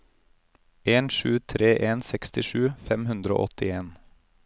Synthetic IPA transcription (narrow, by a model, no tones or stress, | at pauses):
ʔeːnʃʉːt̪ʰɾeːʔeːnsɛkst̪ɪʃʉːfɛmhʉnd̪ɾəo̰ːʔɔt̪ɪeːn